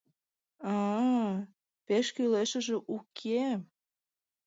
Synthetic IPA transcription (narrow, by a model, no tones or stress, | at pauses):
ɑ | peʃkyleʃə̆ʒĕʔukʰe